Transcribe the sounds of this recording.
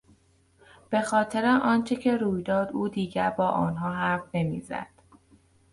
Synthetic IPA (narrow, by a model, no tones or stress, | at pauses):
b̥e̞xɒːt̪ʰe̞ɾeʔɒːnt͡ʃʰecʰe̞ɾuːjd̪ɒːd̪uːd̪iːɟæɾbɒːʔɒ̰ːnɦɒːɦæɾfne̞mḭːzæ̰d̪̥